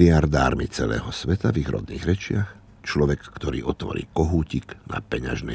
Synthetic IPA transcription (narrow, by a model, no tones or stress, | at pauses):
ɪaɾd̪aːɾmit͡sɛlɛ̰ːɦɔsʋɛt̪aviɣɾɔ̰d̪niːɣɾɛt͡ʃɪax | t͡ʃlɔʋɛkːt̪ɔɾḭːʔɔt̪ʋɔ̰ɾiːkɔɦuːcikna̰pɛɲa̰ʒnɛ